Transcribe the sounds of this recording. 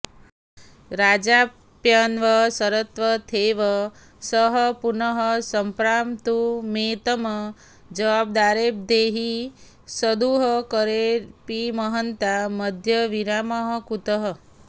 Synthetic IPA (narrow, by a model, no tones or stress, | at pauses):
ɾad͡ʒa | pjənʋəsəɾət̪ʋət̪ʰeʋə | səɦʌpunəɦəsəmpɾamt̪umet̪əmə | d͡ʒəʋab̚d̪aɾeb̚d̪eɦi | səd̪uɦəkəɾepiməɦənt̪aməd̪ʱjəʋiɾaməɦəkut̪əɦə